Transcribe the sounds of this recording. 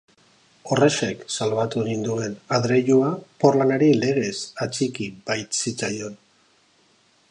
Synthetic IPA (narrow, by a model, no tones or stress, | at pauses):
o̞reʃeksalβat̪unind̪ue̞naðɾeʎuapo̞rlanaɾile̞ɣ̞e̞sat͡sikibajt̪sit͡sajo̞n